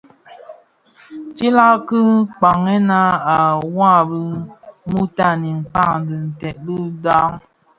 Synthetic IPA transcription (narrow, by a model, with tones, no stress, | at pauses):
t͡ʃi˦la˦kɨ˦k͡pa˨ŋɛ˦na˦a˨wa˦˨bɨ˦mu˦ta˦˨ni˨ŋ̩˨k͡pa˦˨ŋ˨di˨n̩˨tɛ˨t̚lɨ˦da˦ŋ